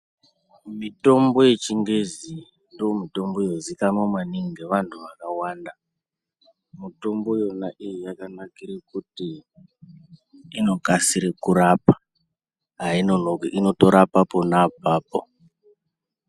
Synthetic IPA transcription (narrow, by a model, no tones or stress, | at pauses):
mito̞mbo̞je̞t͡ʃiŋɡe̞zi | ndomito̞mbojozikanwamwaniŋiɡe̞ʋantʰuʋakawaːnda | muto̞mbo̞jonaʔijojakanakiɾekuti | no̞kasiɾekurapa | ɦainonokino̞to̞ɾapapo̞napaːpo̰